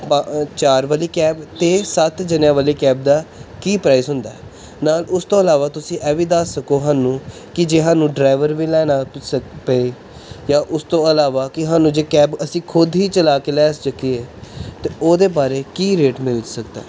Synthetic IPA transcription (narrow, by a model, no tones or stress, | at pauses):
t͡ʃaːɾʋaːliːkɛːbt̪eːsət̪d͡ʒənjãːʋaːliːkɛːb̚d̪aːkiːpɾaːɪsɦʊnd̪aːɛː | naːlʊst̪õːəlaːʋaːt̪ʊsĩːʔɛːʋiːd̪aːəkoːɦaːnũː | kɪd͡ʒeːɦãːnũːɖɾaːɪʋəɾʋiːlɛːnaːsəpee | jãːʔʊst̪õːəlaːʋaːkɪɦãːnũːd͡ʒeːkɛːbəsĩːkʰʊd̪ɦiːt͡ʃəlaːkelɛːsd͡ʒəkːiːeːt̪eːoːd̪eːbaːɾeːkiːɾeːʈmɪld͡ʒsəkd̪a̰ː